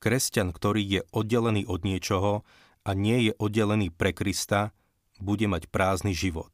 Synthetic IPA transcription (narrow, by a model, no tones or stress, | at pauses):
kɾɛscankt̪ɔɾiːjɛʔɔd̪̚ɟɛlɛniːʔɔd̪ɲɪɛt͡ʃɔɦɔ | ʔaɲɪɛjɛʔɔd̪ɟɛlɛniːpɾɛkɾist̪a | buɟɛmacpɾaːzniʒiʋɔ̰t̪̚